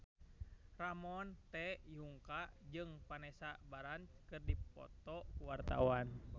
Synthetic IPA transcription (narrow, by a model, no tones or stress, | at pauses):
ramɔnt̪ɛjuŋkaʔd͡ʒɨŋpanɛsabaɾant͡ʃkɨrdipɔ̰t̪ɔkuwart̪a̰wan